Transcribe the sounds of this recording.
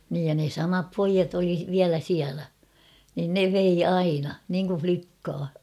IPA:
niːj jɑ ne sɑmɑp poijɑt oli ʋiælæ siælæ nin ne ʋei ɑinɑ niŋku flikːɑː

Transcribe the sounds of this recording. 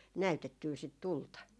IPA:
næytetːyː sit tultɑ

